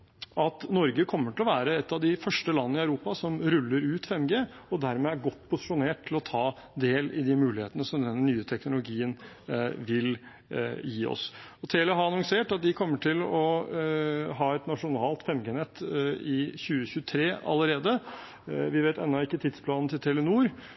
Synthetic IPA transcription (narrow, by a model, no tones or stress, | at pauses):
ɑt̪nɔɾɡəkʰɔmːəʈʰɪlɔʋæːɾəɛt̪ːɑʋd̪ɪfœʂʈəlɑnːəɪɑœʉɾuːpɑsɔmɾʉlːəɾʉːt̪fɛmɡeː | ɔd̪æɾmeːæɾɡɔt̪ːpʰʊsɪ̥ʂʊneːʈʰːɪlɔt̪ʰɑː | d̪eːlɪ̰d̪ɪmʉːlɪheːt̪ənəsɔmd̪ɛnːənyːət̪ʰɛknʊlʊɡiːən | ʋɪl | jiːɔ̰sɔt̪ʰeːləɦɑɾɑnʊŋseːʈɑt̪̚d̪ɪkʰɔmːəʈʰɪlɔ | ɦɑːɛt̪nɑʂʊnɑːlt̪fɛmɡeːnɛt̪ʰːɪçʉːəçʉːət̪ʰɾeːɑ̰lːəɾeːd̪ə | ʋɪʋeːt̪ɛ̰nːɑɪkːət̪ʰɪd̪spʰlɑːnn̩t̪ɪlt̪ʰelənuːɾ